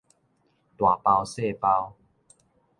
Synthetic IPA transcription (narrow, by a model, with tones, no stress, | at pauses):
t̪wa˨˩pa˧wse˥˨pa˧w